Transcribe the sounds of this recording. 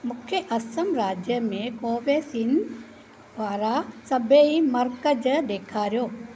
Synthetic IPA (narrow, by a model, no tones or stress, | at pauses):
mʊkʰjəʔɐsəmɾaːd͡ʒjəmẽkoːʋeːsin | d̪ʋaːɾasɐbeimɐɾkəd͡ʒd̪eːkʰaːɾjoː